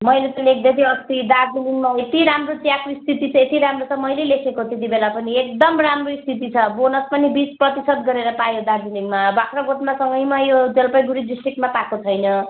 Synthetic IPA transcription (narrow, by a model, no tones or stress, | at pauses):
mʌjlet̪ʌlek̚ʰd̪ʌt̪ʰiʌst̪id̪aɾd͡ziniŋmaet̪iɾamrot̪jakrist̪ʰit̪it͡sʰʌet̪iɾamrot͡sʰʌmʌjlelekʰekot̪et̪̬ibelapʌniek̚d̪ʌmramroist̪ʰit̪̬it͡sʰʌbonʌspʌnibit͡sprʌt̪isʌd̪ɡʌɾeɾʌpajod̪ard͡ziniŋmabakrʌɡot̪masʌŋɡʌjmajod͡zʌlpʌjɡuɾid̪isʈrik̚ʈmapakot͡sʰʌjnʌ